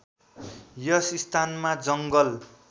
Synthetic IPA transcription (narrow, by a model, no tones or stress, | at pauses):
jʌsist̪ʰanmad͡zʌŋɡʌl